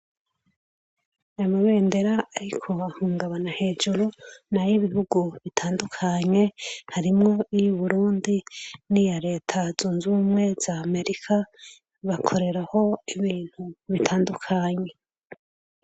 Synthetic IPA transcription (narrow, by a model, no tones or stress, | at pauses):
maβe̞ːnde̞ɾaːɾikʰo̞ahuːŋɡaβanahe̞ːd͡ʒuɾunajiβihuɡuβitʰaːndukʰaɲe̞haɾimŋo̞ijuβuɾuːndinijaɾe̞ːtʰazuːnzuːmŋe̞z̥ame̞ɾikʰa | βakʰo̞ɾe̞ɾaho̞iβiːn̥huβitʰaːndukʰaɲe̞